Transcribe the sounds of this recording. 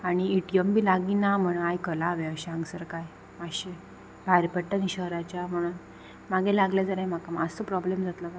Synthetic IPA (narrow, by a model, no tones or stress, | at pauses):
aɽ̃iiʈijəmbiːlaɡinam̤əɽ̃unajkəlaʋẽəɕeãŋɡsəɾkaj | əɕe | bʱaɾpəʈːənɕəɦɾat͡ɕjam̤əɽ̃un | maɡʱelaɡljad͡zəɾajm̤akamaəsəpɾɔblemd͡zʱat̪laka